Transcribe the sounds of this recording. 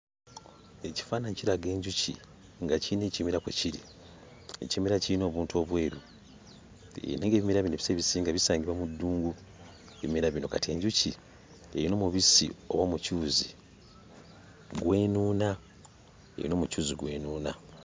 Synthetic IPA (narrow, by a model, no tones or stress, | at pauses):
e̞ci̥faːnaɲciɾaɡe̞ːɲɟucḭ | ŋɡacineːcimiɾakweciɾḭ | e̞̰cimiɾaciɾino̞ːβuːntuo̞βwe̞ːɾu | neŋɡe̞βimiɾaβinoβiseβisiːŋɡaβisaːɲɟiβwamudːuːŋɡu | e̞βimiɾaβino̞katie̞ːɲɟuci | eɾino̞ːmuβisḭo̞̰βoːmucuːzi | ɡwe̞ːnuːna | e̞̰ɾḭno̞ːmucuːziɡwe̞̰ːnuːna